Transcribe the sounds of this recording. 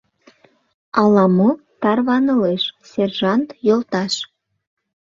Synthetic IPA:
ɑlɑmo | t̪ɑrβɑnə̆leʃserʒɑnt̪jolt̪ɑʃ

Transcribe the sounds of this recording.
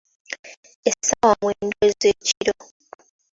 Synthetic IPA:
esawamweːndwezeciɾo

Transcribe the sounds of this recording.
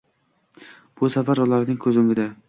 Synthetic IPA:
b̥ʊsafaɾʊlˠaɾnɪŋkʰɵzɪŋɪd̪a

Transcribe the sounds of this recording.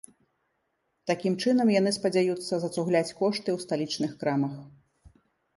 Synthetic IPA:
t̪akʲimt͡ʂɨnɐmjanɨspɐd͡zʲajut̪sːɐzɐt̪suɣlʲat͡sʲkɔʂt̪ɨwst̪alʲit͡ʂnɨxkɾamɐx

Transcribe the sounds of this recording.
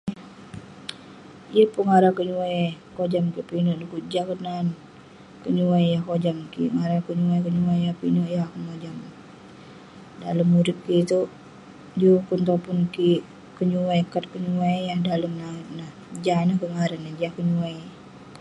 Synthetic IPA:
ijəpəŋaɾakəɲuajkod͡ʒamkiʔpinoʔdukud͡ʒakənan | kəɲuwajjahkod͡ʒamkiŋaɾakəɲuajkəɲuajjapinoʔjakəŋod͡ʒam | daləmːuɾɪt̪̚kit̪u | d͡ʒukunt̪apunki | kəɲuwajkat̪̚kəɲuaijahdaləmnaŋt̪nah | d͡ʒanahkəŋaɾənːad͡ʒahkəɲuwaj

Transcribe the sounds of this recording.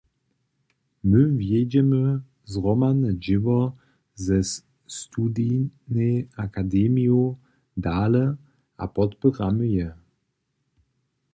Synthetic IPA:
mɘvjɛd͡ʑɛmə | zʁɔmanɛd͡ʒɪvɔ | zɛs | st̪ud̪inɛakad̪ɛmio | d̪aːlɛ | a̰pɔt̪pəʁaməjɛ

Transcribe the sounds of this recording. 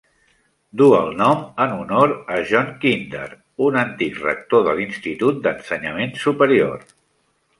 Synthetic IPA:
d̪uəlˠnɔmənunoɾəʒɔŋkind̪ə̰ɾ | unənt̪ikrə̰k̚t̪oðəlinst̪it̪ut̪̚d̪ənsəɲəmensupəɾio̰ɾ

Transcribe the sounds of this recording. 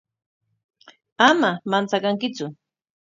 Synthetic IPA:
amamant͡sakaŋkɪt͡sʊ

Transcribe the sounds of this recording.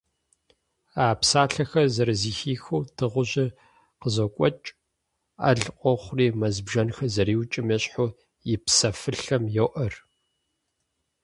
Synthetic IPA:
aːpsaːɬɐxɐzɐɾziːxiːxuːtʰɨʁʷʊʑɪ | qəzɐkʷʼɔt͡ʃʼ | a̰ɮqʷʼɔχʷʊriːmɐzbʒɐnxɐzɐɾiːwt͡ʃʼɪmɐɕʼħʊ | jɪpsɐfɨɬɐmjɛwʔɐr

